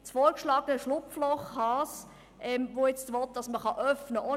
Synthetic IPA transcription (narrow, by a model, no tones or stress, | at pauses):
t͡sfɔːɾkʃlɑːɡənəʃlʊpflɔχhɑːs | ʔɛmvoːjɛt͡stʋɔt̚d̥ɑsməχɑʔœfnəʔo